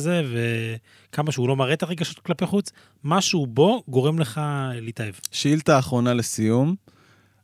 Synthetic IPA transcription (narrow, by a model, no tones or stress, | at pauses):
ze̞ve̞ | kʰamaʃeulo̞maʁet̪aʁeɡaʃo̞t̪klapeχut͡s | maʃubo̞ɡo̞ʁe̞mle̞χaleit̪aevʃeilt̪aːχʁo̞nalesijum